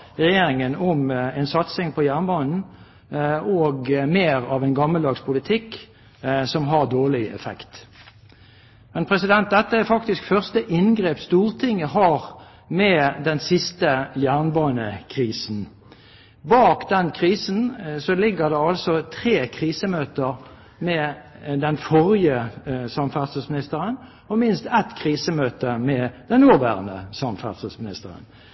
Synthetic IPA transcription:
ʁɛjeːɾɪŋənɔmɛnsɑt̪sɪŋpʰɔjæːʁnbɑːnn̩ | oːɡmeːʁɑʋɛɪnɡɑmːəld̪ɑːɡspʰʊlɪt̪ʰɪkː | sɔmɦɑʁd̪oːʁlɪɛ̰fɛ̰kt̪ | mɛnpʰʁɛsɪd̪ɛnt̪̚d̪ɛt̪ːəæfɑkt̪ɪskfœʁst̪əʔɪnɡʁeːpst̪uːʁt̪ʰɪŋːəɦɑːʁ | mɛd̪ɛnsɪst̪əjæːʁnbɑːnəkʰʁiːsn̩ | bɑːkd̪ɛnkʰʁiːsn̩sɔlɪɡːəd̪ɛɑlsɔt̪ʰʁeːkʰʁiːsəmøːt̪əʁ | mɛd̪ɛnfɔʁɪəsɑmfæsəsmɪnɪst̪əʁən | ɔmɪnst̪ɛt̪kʰʁiːsəmøːt̪əmɛd̪ɛnnuːʁʋæ̰ːʁə̰nə̰sɑmfæ̰səsmɪnɪ̰st̪əʁə̰n

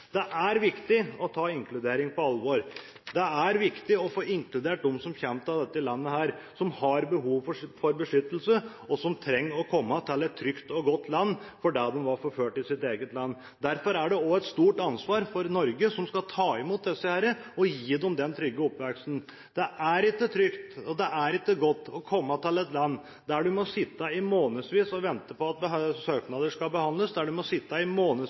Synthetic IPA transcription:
d̪̥ɛʔæɾʋɪkt̪ɪɔt̪ʰɑːɪŋklʉd̪eːɾɪŋpʰɔɑlʋoɾ | d̪ɛæɾʋɪkt̪ɪɔfoːɪŋklʉd̪eːʈ̚d̪ʊmsɔmçɛmt̪ɑʋd̪ɛt̪ːəɪlɑnːəhæːɾ | sɔmhɑɾbəɦuːʋfɔfɔɾbəʂʏt̪ːəlsə | ɔsɔmt̪ʰɾɛŋːəɾɔkʰɔmːət̪ʰɛlːɛt̪ʰːɾʏkt̪ɔɡɔt̪ʰːlɑnːfɔɖæd̪ɛmʋɑɾfɔɾføːʈɪsɪt̪eːɡət̪lɑnː | d̪æɾfɔɾæɖɛɔɛt̪st̪uːʈɑnsʋɑːɾfɔɾnɔɾɡəsɔmskɑlt̪ʰɑːɪmuːt̪̚d̪ɛsːəhæɾəɔjiːd̪ɛɔmd̪ɛnt̪ʰɾʏɡːəɔpʋɛksn̩ | d̪̥ɛʔæɾɪkːət̪ʰɾʏkt̪ɔd̪ɛʔæɾɪkːəɡɔt̪ːɔkʰɔmːət̪ʰɪlɛt̪lɑnː | d̪æɖʉmɔsɪt̪ːəɪmoːnəsʋiːsɔʋɛnt̪əpɔɑt̪̚bəsøːknɑd̪əʂkɑlbəhɑnləsd̪æɖʉmɔsɪt̪ːɑɪmoːnə

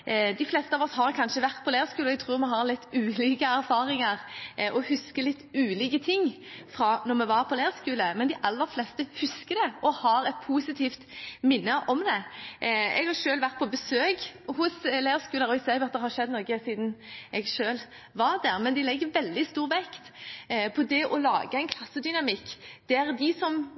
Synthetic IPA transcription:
d̪ɪflɛːst̪əɑːʋɔshɑɾkʰɑnʃəʋæʁt̪̚pʰɔleːəskʉːləɛɡ̚t̪ʰʁʉːɾmɛɦɑɾlɪt̪ːʉːliːkəæɾfɑːɾɪŋəʁʔɔhʉskəlɪt̪ːʉːliːkət̪ʰɪŋ | fɾɑnɔɾmɛʋɑɾpʰɔleːʁəskʉːləmɛnd̪ɪʔɑlːəɾflɛst̪əhʉskəd̪ɛɔhɑɾɛt̪̚pʰuːsɪt̪ʰiːft̪mɪnːəʔɔmd̪ɛ | ɛ̰ɡhɑɾʃøːlʋæʁt̪̚pʰɔbəsøːkhʊslæːəskʉːləɾɔɪsɛːjʊɑt̪d̪ɛhɑɾʃɛd̪ːnɔːɡəsiːd̪nɛɡʃøːl | ʋɑɾd̪æʁmɛnd̪ɪlɛɡːəɾʋɛld̪ɪst̪uːʁʋɛkt̪pʰɔd̪ɛʔɔlɑ̰ːɡəɛɪnkʰlɑsːəd̪ʏnɑmɪkːd̪̥æɾd̪ɪsɔm

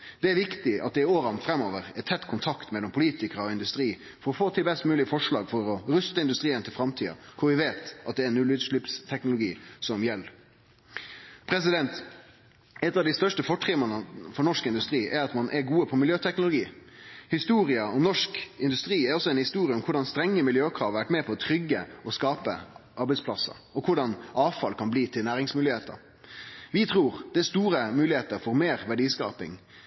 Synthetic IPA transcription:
d̪̥ɛæɾʋɪkt̪ɪɑt̪̚d̪ɛɪoːɾɑnt̪fɾɛmːoːʋəɾɛt̪ʰɛt̪ːkʰʊnt̪ʰɑkt̪mɛlːɔmpʰʊliːt̪ɪkəɾəɔɪnd̪ʉst̪ɾiː | fɔɾɔfoːt̪ʰɪlbɛst̪mʉːlɪfɔʂɭɑ̰ːɡfɔɾɔɾʉst̪əɪnd̪ʉst̪ɾiːənt̪ʰɪlfɾɑmt̪ʰiːɑ̰kʰʊɾʋɪʋeːt̪ʔɑt̪̚d̪ɛːɾɛnːʉlːyːd̪əʂɭɪpst̪ʰɛknʊlʊɡiːsɔmjɛlː | pʰɾɛs̬ɪd̪ɛnt̪ | ɛt̪ːɑʋd̪ɪst̪œʂʈəfɔʈʁɪmɑnəfɔnɔʂkɪnd̪ʉst̪ɾiːʔæɾɑt̪mɑnʔɛɾɡuːəpʰɔmɪljøːt̪ʰɛknʊlʊɡiː | hɪst̪uːɾɪəɔmnɔʂkɪnd̪ʉst̪ɾiːæɾɔsːɔɛɪnhɪst̪uːɾɪəɔmkʰʊɖɑnst̪ɾɛŋːəmɪljøːkʰʁɑ̰ːʋʋæʈmɛpʰɔɔt̪ʰɾʏɡːə̰ɔskɑːpə̰ʔɑɾbæɪtspʰlɑsːɑ̰ | ɔkʰʊɖɑnʔɑːʋfɑlkʰɑnbliːt̪ʰɪlnæːʁɪŋsmʉːlɪheːt̪ə̰ɾ | ʋɪt̪ʰɾuːɾd̪ɛæst̪uːɾəmʉːlɪheːt̪əɾfɔɾmeːʁʋæɖiːskɑ̰ːpɪ̰ŋ

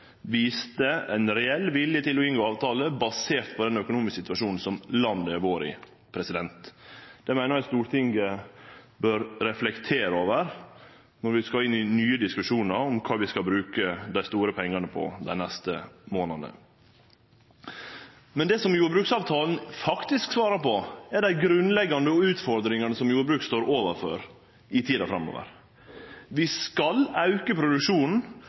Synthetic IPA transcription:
ʋiːst̪əɛɪnɾɛɛlːʋɪljət̪ɪlɔɪnɡoːɑːʋt̪ʰɑːləbɑseːɾt̪pʰɔd̪ɛnœkʊnuːmɪsksɪt̪ʉʋɑʂuːnn̩sɔmlɑnd̪əʋoːɾɪ̰ | pʰɾɛsɪd̪ɛnt̪d̪̥ɛmæɪnəɾɛst̪uːɾt̪ʰɪŋɡə | bøːɾɾɛflɛkt̪ʰeːɾoːʋəɾ | nɔɾʋɪskɑɪnːɪnyːəd̪ɪskʉʂuːnəɾɔmkʰɑːʋɪskɑlbɾʉːkəd̪æɪst̪uːɾəpʰɛŋːɑnəpʰɔ̰d̪æ̰ɪnɛst̪əmoːnɑd̪ə̰ | mɛnd̪ɛːsɔmjuːɾəbɾʉːksɑːʋt̪ʰɑːln̩fɑkt̪ɪsksʋɑːɾəpɔɛɖæɪɡɾʉnlɛɡːɑnd̪əɔʉːt̪fɔɾd̪ɾɪŋɑnəsɔmjuːɾəbɾʉːkst̪oːɾoːʋəɾfø̰ɾ | ɪt̪ʰiːd̪ɑfɾɑmːo̰ːʋə̰ɾ | ʋɪskɑlɑʉkəpʰɾʊd̪ʉkʂuːnn̩

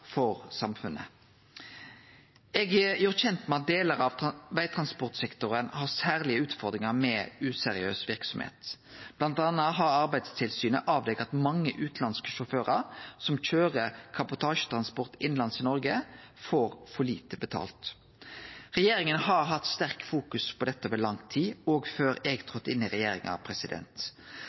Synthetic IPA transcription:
fɔʁsɑmfʉnʔə̰ | ɛɡəjʊːʁçɛnt̪mɛɑt̪̚d̪eːləʁɑʋʋæɪt̪ʰʁɑnspʊʁt̪sɛkt̪ʊʁənhɑʁsæːʁlɪəʉːt̪fɔʁd̪ʁɪŋəʁmɛʉːsɛʁɪøːsʋɪʁksɔmhḛːt̪ | b̥lɑnt̪ɑnːəɦɑɾɑɾbæɪd̪st̪ʰɪlsyːnəʔɑːʋd̪ɛkɑt̪mɑŋːəʔʉːt̪lɑnskəʃʊføːʁɑʁsɔmc͡çøːʁəɾkʰɑbʊt̪ʰɑːʃə̥t̪ʰʁɑnspɔʁt̪ɪnlɑnsɪnɔɾɡə | foːɾfɔɭiːt̪əbət̪ʰɑ̰ːlt̪ | ʁɛjeːɾɪŋənɦɑʁɦɑt̪st̪æʁkfuːkʉspʰɔd̪ɛt̪ːəʋɛlɑŋt̪ʰiːoːɡføːɾɛɡt̪ʰʁɔt̪ːɪnːɪʁɛjeːɾɪŋɑ̰pʰɾɛsɪd̪ɛ̰nt̪

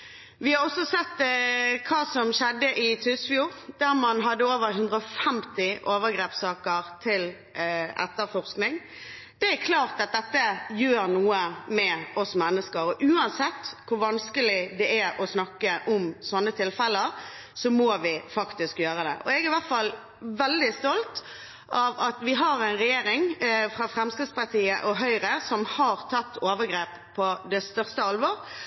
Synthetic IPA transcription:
ʋɪhɑɾɔsːɔsɛt̪ːkʰɑːsɔmɕɛd̪ːəʔɪt̪ʰʉsfjuːɾd̪̥æʁmɑnɦɑd̪ːəoːʋəɾɦʉnd̪ʁɾəɔfɛmt̪ɪʔoːʋəɾɡɾeːpsɑːkəɾt̪ʰɪl | ɛ̰t̪ːəɾfɔʁsknɪŋ | d̪̥ɛæɾkʰlɑːʁt̪ɑt̪̚d̪ɛt̪ːəjøːɾnuːəmɛʔɔsmɛnːəskəɾɔʔʉːɑnsɛt̪ːkʰʊɾʋɑnskəlɪd̪ɛʔæɾɔsnɑkːəʔʊmsɔnːət̪ʰɪlfɛləɾ | sɔmoːʋɪfɑkt̪ɪskjøːɾəd̪ɛ̰ʔɔɛɡɪʋæʁt̪fɑl | ʋɛld̪ɪst̪ɔlt̪ | ɑʋɑt̪ʋɪɦɑɾæɪnɾɛjeːɾɪŋfɾɑfɾɛmskɾɪd̪spɑʁt̪ʰiːəʔɔɦœʏɾəsɔmhɑɾt̪ʰɑt̪ːoːʋəɡɾeːp | pʰːɔd̪ɛst̪œʁst̪əɑlʋɔɾ

